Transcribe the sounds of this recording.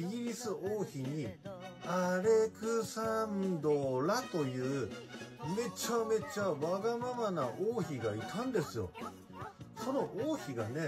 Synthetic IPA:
iɡʲiɾʲisɨoːçiɲ̟iaɾe̞kɯsand̪o̞ɾat̪o̞jɯ̟ː | me̞t͡ɕame̞t͡ɕaβaɡamamanaʔoːçiɡait̪ʰãnd̪e̞sɨjo̞̰ | so̞no̞ʔoːçiɡane̞

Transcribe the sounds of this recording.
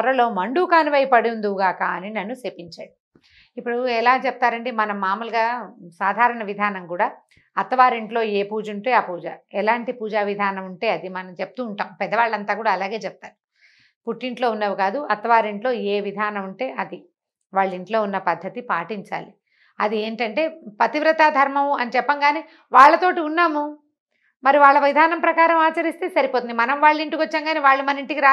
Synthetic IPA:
ɐɾɐlo̞ːmɐɳɖuːkaːniʋɐjpɐɽund̪uɡaːkaɐninɐnːuseːpiɲt͡ʃaːɽi | ipːuɽuɛlaːt͡ʃɛp̚t̪aːɾɐɳɖimɐnɐmːaːmulɐɡaːsaːd̪ʱaːɾɐɳɐʋid̪ʱaːnɐmkuːɽaː | ɐt̪ːɐʋaːɾiɳʈlo̞ːeːpuːd͡ʒuɳʈe̞ːaːpuːd͡ʒaːɛlaːɳʈipuːd͡ʒaːʋid̪ʱaːnɐmuɳʈe̞ːɐd̪imɐnɐmt͡ʃep̚ut̪uːɳʈaːmpɛd̪ːɐʋaːɭːɐnt̪aːkuːɽaːlaːɡe̞ːt͡ʃɛp̚t̪aːnu | puʈːiɳʈlo̞ːunːɐːʋukaːd̪uɐt̪ɐʋaːɾiɳʈlo̞ːeːʋid̪ʱaːnɐmuɳʈe̞ːʔɐd̪i | ʋaːɭːiɳʈlo̞ːunːɐpɐd̪ʱːɐt̪ipaːʈiɲt͡ʃa̰ːli | ɐ̰d̪ie̞ːɳʈɐɳʈe̞ːpɐt̪iʋɾɐt̪aːd̪ʱɐɾmɐmuɐnit͡ʃɛpːɐŋɡaːniː | ʋaːɭːɐt̪o̞ːʈiunːaːmu | mɐɾiʋaːɭːɐʋid̪ʱaːnɐmpɾɐkaːɾɐmaːt͡ʃɐɾist̪eːsɐɾipoːt̪und̪imɐnɐmʋaːɭːiɳʈikʋɐt͡ʃːɐŋɡaːniːʋaːɭːumɐniɳʈikiɾaː

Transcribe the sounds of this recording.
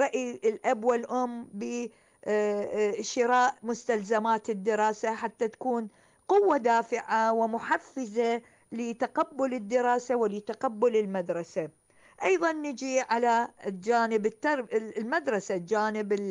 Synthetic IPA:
ɾˤɑʔilʔabwɪlʔʊmːbɪ | ʃɪɾɑːʔmʊst̪alzamaːt̪ɪd̪ːɪɾˤɑːsaħat̪ːat̪ḁkuːn | qʊwːad̪aːfɪʕawɪmʊħafːɪza | lɪt̪aqabːʊlɪd̪ːɪɾˤɑːsawɪlɪt̪aqabːʊlɪlmad̪ɾˤɑsa | ʔɑjðˤɑnːɪd͡ʒiʕalad͡ʒaːnɪbɪt̪ːɑɾlmad̪ɾˤɑsad͡ʒaːnɪbɪ

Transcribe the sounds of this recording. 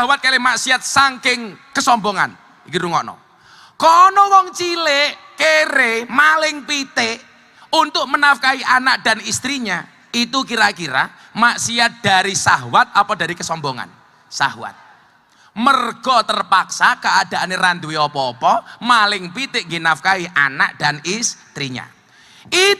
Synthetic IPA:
aɦwat̪̚kalemaʔsiat̪̚saŋkɪŋkəsɔmbɔŋa̰n | ikiɾuŋɔnɔ̰ | kɔnɔwɔŋt͡ʃileʔ | keɾemalɪŋpit̪ɪʔ | unt̪ʊk̚mənafkaiʔanaʔ̚d̥anist̪ɾiɲa | it̪ukiɾakiɾa̰ | maʔsiad̥aɾisaɦwat̪̚apɔdaɾikəsɔmbɔŋa̰n | sa̰hwa̰t̪̚ | mərɡ̥ɔt̪ərpaksakəad̥aneɾand̪uwiɔpɔːpɔmalɪŋpit̪ɪʔŋɡinafkaiʔana̰ʔ̚d̥anist̪ɾiɲa̰ | i

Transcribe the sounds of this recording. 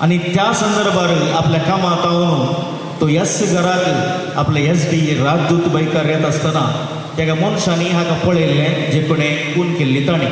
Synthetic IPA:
a̰ñit̪jasə̃nd̪əɾbʱaɾiapljakamãt̪aʋoːn | t̪ojɛsɡəɾaki | a̰plees̬biɾad͡ʒd̪ut̪bəjkaɾjat̪əst̪əna | t̪jakamɔñsaniɦãkãpəɭelːɛ̃d͡ʑekoɽẽkuːnkelːiːt̪aɽ̃ĩ

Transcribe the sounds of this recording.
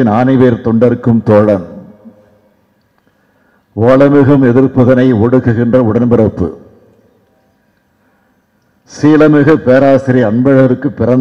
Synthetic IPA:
ɪnaːnɪʋeːɾt̪ɔɳɖɐɾkːɯmt̪oːɻɐn | oːlɐmɪɣɯmɛðɪrpɯðɐnɐɪɔɽɯɣɯɣɪndrɐʊɽɐnbɪɾɐpːɯ̰ | siːlɐmɪɣɐpeːɾaːsɪɾiɐɳbɐɻɐɐɾɯkːɯpːɪrɐn

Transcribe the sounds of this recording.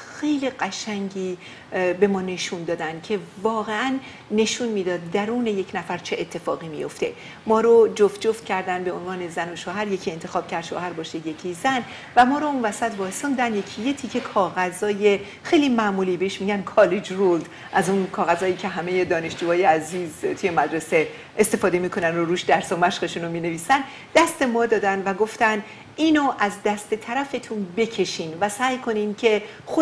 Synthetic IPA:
xe̞jliɢæʃæŋɟiː | be̞mɒːne̞ʃund̪ɒːd̪ænd̪̥cʰe̞vɒːɣe̞ænː | e̞ʃunmiːd̪ɒːd̪̚ːæɾuːne̞je̞cʰnæfæɾt͡ʃʰe̞ʔːt̪ʰːe̞fɒ̰ːɣiːmḭjo̞̰ft̪e̞̰ | mɒːɾod͡ʒoft̪̚d͡ʒoft̪̚cʰæɾd̪ænd̪be̞onvɒːne̞zæno̞ʃoːɦæɾje̞cʰiːe̞nt̪ʰe̞xɒːb̥̚cʰæɾd̪ʃo̰ːhæɾbɒːʃeje̞cʰizæn | væmɒːɾounvæsæt̪bɒːesɒmd̪ænd̪jecʰijet̪ʰiːcʰekʰɒːɣæzɒːje̞ | xejliːmæʔmuːliːbeeʃmiːɟænkʰɒːled͡ʒrold̪ | ʔæzunkʰɒːɣæzɒːjiːcʰe̞ɦæme̞je̞d̪ɒːne̞ʃd͡ʒuːɒːjeæziːzt̪ʰuje̞mæd̪ɾe̞se̞ | ʔest̪e̞fɒːd̪e̞miːkʰo̞nænd̪oɾuːʃd̪æɾsɒmæʃχeʃunomiːne̞viːsæn | d̪̥æst̪e̞mɒːd̪ɒːd̪ænvæɡo̞ft̪æn | iːnoʔæzd̪æst̪e̞t̪ʰæɾæfe̞t̪ʰunbe̞cʰe̞ʃiːnvæsæːjkʰo̞niːncʰe̞ | xo

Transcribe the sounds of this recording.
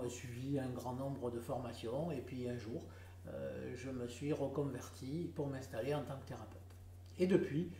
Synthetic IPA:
əsɥiviɛ̃ɡʁɑ̃nɔ̃bʁəd̪əfɔʁmasjɔ̃epɥiɛ̃ʒuʁ | ø̰ʒəməsɥiʁəkɔ̃vɛʁt̪ʰipuʁmɛ̃st̪aleɑ̃t̪ɑ̃kə̥t̪eʁapøt̪ | ed̪əpɥi

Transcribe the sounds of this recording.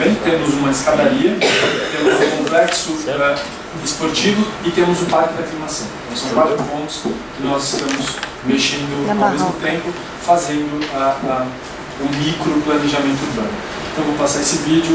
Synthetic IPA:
ẽj̃t̪ẽmʊzũmɐɪskad̪aɾiɐp̪ẽlʊ̃kõplɛksʊa | d͡ʒispoɾt͡ʃivʊɪt̪ẽmʊzʊ̃paɾkɪd̪ɐklimasɐ̃w̃t̪ɐ̃w̃sɐ̃w̃kwat̪ɾʊpõnt̪ʊ̥skɪnɔzɪst̪ɐ̃mʊs | meʃẽnd̪ʊawmezmʊt̪ẽmpʊ | fazẽnd̪ʊa | ũmikɾʊplɐneʒamẽnt̪ʊuɾbɐ̰̃nʊ | ẽt̪ɐ̃w̃vɐ̃mʊpasaɾesɪvid͡ʒʊ

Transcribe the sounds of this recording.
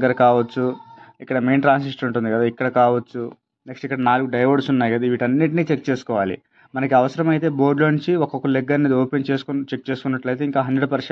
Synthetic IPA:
ɡːɐɾɐkaːʋɐt͡ʃːuikːɐɽɐme̞ːnʈɾaːnsisʈuɳʈund̪iɡɐd̪aːikːɐɽɐkaːʋɐt͡ʃːu | neksʈikːɐɽɐnaːluɡuɖɐjʋɐɖsunːaːjkɐd̪aʋiʈɐnːiʈ̬ɐniːt͡ʃek̚t͡ʃe̞ːsu̥kɔːʋaːlḭ | mɐnɐk̬iɐʋɐsɐɾɐmɐjt̪e̞ːbo̞ːɾɖloɲt͡ʃiɔkɔkɐleɡːɐɾneːd̪ioːpent͡ʃeːsu̥kt͡ʃek̚t͡ʃe̞ːsu̥kunːɐʈlɐjt̪eiŋkaːɦɐnɳɖeɽupɐɾʂ

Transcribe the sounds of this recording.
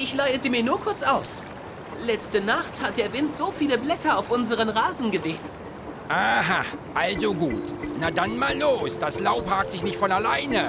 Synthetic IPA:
ʔɪçlaɪəzeːmiːɐnuːɐkʰʊɐt͡sʔaʊs | lɛt͡stənaχthat̚d̥eːɐvɪntz̥oːfiːləblɛtʰɐaʊfʔʊnzəʁ̞ənʁaːzn̩ɡəveːt | ʔaːɦaʔalzoɡuːtnadanmaːlːoːsd̥aslaʊphaːk̚tz̥ɪçnɪçtfɔnalaɪnə

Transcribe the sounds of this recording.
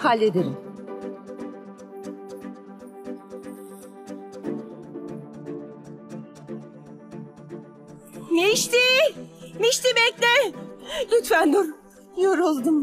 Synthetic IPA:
halʲːed̪eɾim | miʃt̪i | miʃt̪ibɛclʲɛ | lʲyt̪fænd̪oɾ | joɾulˠd̪um

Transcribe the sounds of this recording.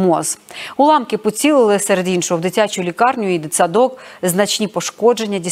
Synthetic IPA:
mɔzʊlˠɑmkɪpɔt͡sʲilˠɪlˠɪsɛɾed̪inʃɔɦʊwd̪ɪtʲat͡ʃʊlʲikɑrnʲʊid̪ɪt̪sɐd̪ɔkznɐt͡ʃnʲipɔʃkɔd͡ʒe̞nʲːɐdʲi

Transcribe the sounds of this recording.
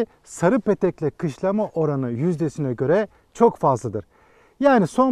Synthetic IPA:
saɾɯpet̪ʰɛclʲɛkʰɯʃlˠamaʔo̞ɾanɯjyzd̪esinɛɟø̞ɾɛ | t͡ʃʰo̞kfazlˠɯd̪ɯɾ̥ | jaːniso̞n

